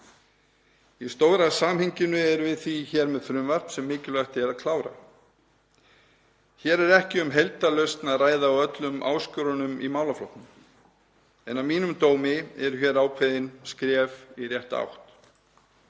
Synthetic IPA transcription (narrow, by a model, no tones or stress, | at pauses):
ist̪oːwɾasaːmhɪɲcɪnʏɛɾvɪðθiçɛːɾmɛðθɾʏmvar̥psɛmːɪːcɪlœht̪ɛɾaðkʰlaːwɾa̰ | çɛːɾɛɾɛhcɪʏmɦejlt̪alœɥst̪naðraːjðaawœt̪lʏmʔa̰ːwscʏɾʏnʏmimaːwlaflowht̪nʏm | ɛnawmiːnʏmt̪oːwmɪɛɾʏçjɛɾaːwkʰveðɪnskɾɛːvirjɛht̪a̰wht̪